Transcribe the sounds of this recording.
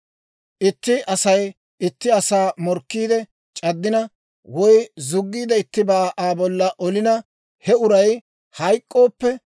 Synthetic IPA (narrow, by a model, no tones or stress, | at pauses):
ʔɪt̪ːɪʔɐsɐj | ɪt̪ːɪɐsaːmɔɾkːiːd̪ɛ | t͡ʃʼɐd̪ːɪnɐ | wɔjzʊɡːiːd̪ɐɪt̪ːɪbaːʔaːbɔlːɐʔɔlɪnɐ | hɛʊɾɐj | hɐjkʼːo̞ːpːɛ